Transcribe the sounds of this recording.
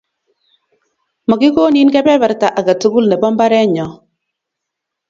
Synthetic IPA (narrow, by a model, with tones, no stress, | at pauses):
mɔ˨ki˦ko˦ni˦nkɛ˦pɛ˦bɛ˨ɾta˨ʔa˨ka˨tu˦ku˦lnɛ˨bɔ˦mba˦ɾɛ˦ɲɔ˨